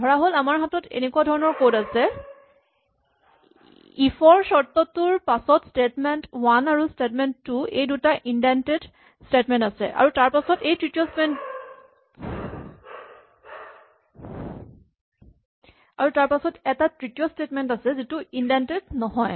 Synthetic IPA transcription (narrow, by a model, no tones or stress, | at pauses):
dʱɔɹaɦolamaɹɦatɔtḛnekuadʱɔɹɔnɔɹkowtasɛ | ifʰɔɹsɔɹt̪ɔtuɹpasɔtstetmɛntwanaɹustetmɛntːuejdutaʔindɛnted | stetmɛ̃ntasɛ̰ʔa̰ɹutaɹpasɔtejtɹitijospɛnt | a̰ɹutaɹpasɔtɛtatɹitijostetmɛntasɛzituindɛntednɔɦɔj